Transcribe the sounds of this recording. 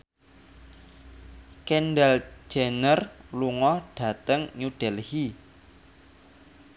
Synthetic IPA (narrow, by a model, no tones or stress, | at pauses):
kɛnɖɛld͡ʒʒ̥ɛnərluŋɔɖ̥ä̤t̪əŋɲuɖ̥ɛlhi